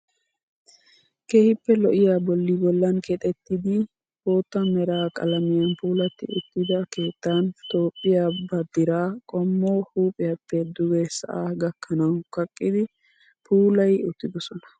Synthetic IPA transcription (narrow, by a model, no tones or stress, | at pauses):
keːhɪpːɛlɔʔɪjaːbɔlːɪbɔlːɐnkʰɛt̪ʼɛt̪ːɪd̪ɪ | o̞ːt̪ːɐmɛɾaːkʼɐ̰lɐmɪjɐnpuːlɐt̪ːɪ̰ʊ̰t̪ːɪd̪ɐke̞ːt̪ːaːnt̪o̞ːpʼːɪjaːbɐd̪ɪɾaːkʼɔmːoːhuːpʼɪjɐpːɛd̪ʊɡɛsɐ̰ʔaːɡɐkːɐnɐwnkɐkʼːɪd̪ɪ | pʰuːlɐjʊt̪ːɪd̪ɔsɔnɐ̥